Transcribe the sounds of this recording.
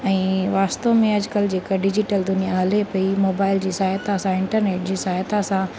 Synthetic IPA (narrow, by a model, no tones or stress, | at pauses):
ɛ̃ːʋaːst̪omẽɐd͡ʑkəld͡ʑeːkɖɪd͡ʑɪʈəld̪ʊnijaɦɐlepɐimoːbaːɪld͡ʑiːsaːjt̪asãɪ̃ɳʈəɾneːʈ̚d͡ʑiːsaːjt̪asã